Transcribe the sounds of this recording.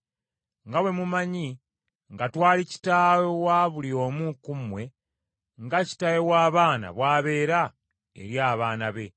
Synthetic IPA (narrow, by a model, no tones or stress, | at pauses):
ŋɡawe̞mumaɲi | ŋɡatwaːlici̥tajowaβulio̞ːmukumwe̞ | ŋɡaci̥tajowaːβaːna̰βwaːβe̞ːɾa | ḛɾjaːβaːnaβe̞